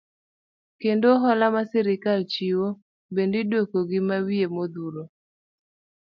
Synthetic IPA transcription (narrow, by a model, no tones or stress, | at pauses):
kendoɦɔlamasɛɾɪkalt͡ʃiwo | bendidwokoɡɪmawiemod̪uɾo